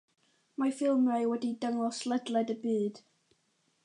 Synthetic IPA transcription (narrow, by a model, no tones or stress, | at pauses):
mafɪlˠmrajwɛdidəŋɔslˠədlˠɛdəbɨːd̥